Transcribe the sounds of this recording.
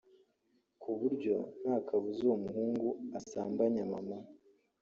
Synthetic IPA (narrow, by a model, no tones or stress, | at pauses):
kuβuɾɟo̞̰n̥haːkʰaβuzoomuhuːŋɡuasaːmbaɲama̰ma